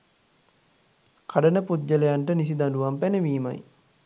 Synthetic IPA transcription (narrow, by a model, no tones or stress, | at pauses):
kʰaɖənəpud̪d͡ʒələjaɳʈənisid̪aluʋampænəʋiːma̰j